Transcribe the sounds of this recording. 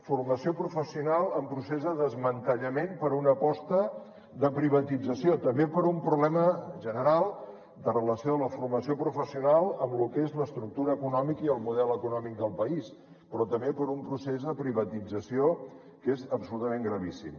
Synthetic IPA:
furməsiopɾufəsiunalˠəmpɾusezðəðəzmənt̪əʎəmenpəɾunəpɔst̪ə | ðəpɾiβ̞ət̪id͡zəsiot̪əmbepəɾumpɾuβlɛməʒənəɾalˠ | d̪ərələsioələfurməsiopɾufəsiunalˠəmlukezləst̪ɾuk̚t̪uɾəːkunɔmikiəlˠmuðɛləkunɔmik̚d̪əlˠpəis | pɾɔt̪əmbepəɾumpɾusezðəpɾiβət̪id͡zəsio | kezəpsulut̪əmeŋɡɾəβisḭm

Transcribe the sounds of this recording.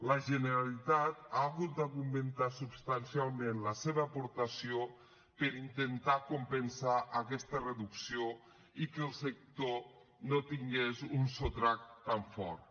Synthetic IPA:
ləʒənəɾalit̪at̪aːɣut̪̚d̪aɣument̪asubst̪ansialˠmenləseβəːpoɾt̪əsio | pəɾint̪ent̪akumpənsaʔəkɛst̪ərəðuksio | ikəlˠsek̚t̪o | not̪iŋɡezunsot̪ɾak̚t̪t̪aɱfɔ̰ɾt̪

